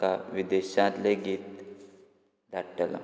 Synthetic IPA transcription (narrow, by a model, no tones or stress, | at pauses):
kaʋid̪eɕãt̪leɡiːt̪̚ | d̪ʱaʈːəla̰